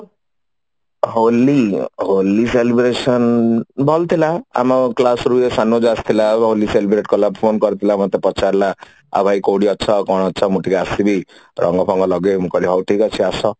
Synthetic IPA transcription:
ɦolːiɦolːiselibɾesʌnbʱʌlt̪ʰilaa̰mɔklasɾuesanːod͡zast̪ʰilaɦoliselibɾeʈ̚kɔlabpʰonkʌɾt̪ʰilamʌt̪epɔt͡sʰaɾla | a̰bʱajkoɽiʌtːt͡sʰʌkɔɽ̃ʌtːt͡sʰʌmuʈikasibiɾʔʌ̰ŋɡɔpʰɔŋɡʌlʌɡemukʌɾiɦɔwʈikʌt͡sʰiasʌ

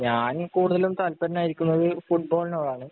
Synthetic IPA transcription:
ɲaːnkuːɽuðɐlumt̪ɐlpɐɾɐnaːjiɾikʲːunːɐɾɨfuʈ̚bo̞ːɭinoːɭːaːɳɨ

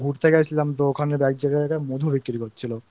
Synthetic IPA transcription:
ɡʱuɾt̪ʰekat͡ɕʰilamt̪ookʰanebɛk̚d͡ʑaɡat̪ʰekamod̪ʱubikːiɾikotːt͡ɕʰilo

